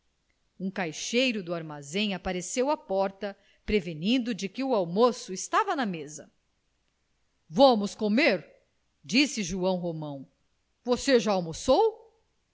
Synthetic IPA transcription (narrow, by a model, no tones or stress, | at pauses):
ũkajʃejɾʊd̪ʊaɾmazẽj̃apaɾesewapɔɾt̪ɐ | pɾevenĩnd̪ʊd͡ʒɪkɪʊawmosʊɪst̪avɐnɐmezɐ | vɐ̃mʊskomeɾ | d͡ʒisɪʒuɐ̃w̃ɦomɐ̃w̃ | voseʒaːwmosow